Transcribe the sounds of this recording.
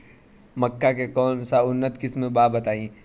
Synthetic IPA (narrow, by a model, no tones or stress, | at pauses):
məkːakekɔːnsaʊnːət̪kɪsmẽbaːbət̪aːĩː